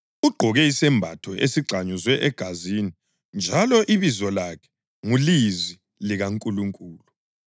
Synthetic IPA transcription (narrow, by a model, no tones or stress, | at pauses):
uɡ͡ǃʱɔɣɛisɛmbʱa̰tʰɔʔesiɡ͡ǀʱaɲuzwɛʔɛɡ̥ʱazini | nd͡ʒʱalɔʔiβizɔlakʰɛ̥ | ŋulizi | liɣaŋkʼuluŋkʼuːlu